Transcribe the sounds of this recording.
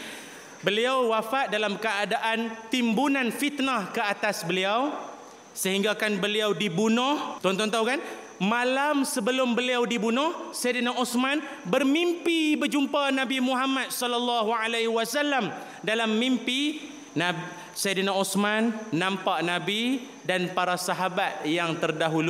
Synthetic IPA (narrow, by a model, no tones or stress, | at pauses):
bəliawwafaʔ̪̚dalamkəadaʔant̪imbunãnfit̪nahkəat̪asbəliaw | səɦiŋɡakanbəliawdibunɔht̪ɔnt̪ɔnt̪awkan | mãlamsəbəlʊmbəliawdibunʊhsajdənaʔusman | bərmimpibəd͡ʒumpanãbimuɦamat̪̚sɔlalːɑɦualaɦwasalːam | dalamːimpi | na | sajdənausmanːãmpaʔnabi | danpaɾasaɦabat̪̚jaŋt̪ərdaɦulu